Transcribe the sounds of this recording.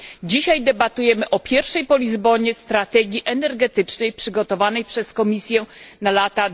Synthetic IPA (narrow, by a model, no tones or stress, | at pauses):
d͡ʑiɕajd̪ɛbat̪ujɛmɘʔɔpʲjɛɾfʂɛjpɔlʲizbɔɲɛst̪ɾat̪ɛɡʲjiʔɛnɛɾɡɛt̪ɘt͡ʂnɛjpʂɘɡɔt̪ɔvanɛjpʂɛskɔmʲisʲjɛnalat̪a